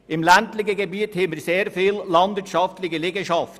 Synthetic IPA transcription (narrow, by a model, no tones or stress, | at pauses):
ɪmlæntlɪçəɡebiːthɛməɾseːɾfiːlːɑnd̪ʋɪːɾtʃɑftlɪçəleːɡəʃɑft